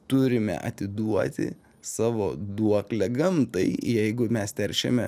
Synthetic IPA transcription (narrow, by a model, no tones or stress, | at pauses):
t̪ʊɾʲɪmʲɛ̰ʔɐ̰t̪ʲɪd̪uɔt̪ʲɪ̰ | sɑːʋoːd̪uɔklʲɛɡɐmt̪ɐɪjɛɪɡʊmʲɛst̪ʲɛɾʲʃʲɛ̰mʲɛ